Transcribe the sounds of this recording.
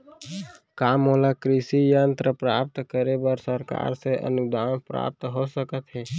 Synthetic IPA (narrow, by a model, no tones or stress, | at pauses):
kaːmoːlakɾisijənt̪ɾəpɾap̚t̪kəɾebəɾsəɾka̰ɾseʔə̰nud̪aːnpɾa̰p̚t̪ɦosəkət̪ɦɛː